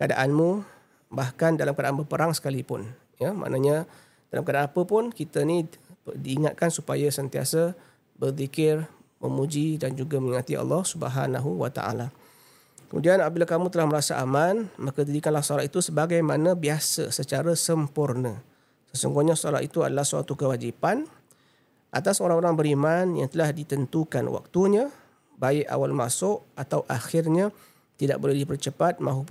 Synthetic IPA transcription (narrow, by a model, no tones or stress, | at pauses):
kada̰ʔanmũ | bahkandalamkadaʔanbəpəɾaŋsə̥kalipʊn | jamʔa̰ʔnaɲa | d̥alamkadaʔanapəpʊnkit̪ənidiːŋat̪̚kansupajasənt̪ia̰sə | bərðikɪr | məmud͡ʒidand͡ʒuɡaməŋiŋat̪iɑ̰lːɔhsubə̰ɦa̰naɦuwa̰t̪a̰ʔa̰la | kəmṵdianapabilakamũt̪əlahməɾasaʔamanmakədadikanlahsoalat̪it̪usəbaɡajmanãbiasə̰sət͡ʃaɾasəmpurnə | səsṵŋɡoɲasɔla̰it̪ua̰dalahsa̰t̪ukəwad͡ʒipan | ʔa̰t̪asoɾaŋoɾaŋbəɾimanja̰ŋt̪əlahdit̪ənt̪ukanwa̰k̚t̪uɲa | baɪʔa̰walma̰sʊʔat̪awʔaxɪrɲa | t̪ida̰ʔ̚bolɛhdipərt͡ʃəpat̪̚mãɦu